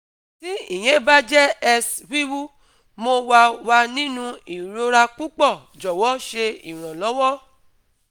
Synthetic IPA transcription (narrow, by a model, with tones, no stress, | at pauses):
ti˦ḭ˦˨j̃ɛ̃˨˦ba˦d͡ʒɛ˦ɛ˧swi˦wu˦ | mo˧wa˧wa˧nĩ˦nũ˧i˨ɾo˧ɾa˧k͡pu˦k͡pɔ˦˨ | d͡ʒɔ˨wɔ˨˦ʃe˧ḭ˨ɾ̃ã˨lɔ˨˦wɔ˦